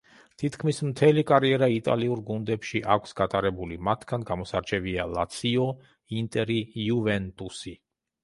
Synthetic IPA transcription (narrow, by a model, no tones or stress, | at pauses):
t̪ʰit̪ʰkʰmismt̪ʰɛlikʼaɾiɛɾait̪ʼa̰liuɾɡund̪ɛpʃiʔakʷʰsɡat̪ʼaɾɛbulimat̪ʰɡanɡamɔsaɾt͡ʃʰɛvialat̪sʰiɔ | int̪ʼɛɾijuvɛnt̪ʼusi